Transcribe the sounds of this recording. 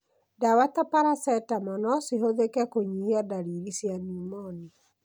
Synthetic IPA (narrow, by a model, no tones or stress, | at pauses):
dawatapaɾasɛtamɔnɔsiɦoðekɛkoɲihiadaɾiɾisjanumɔni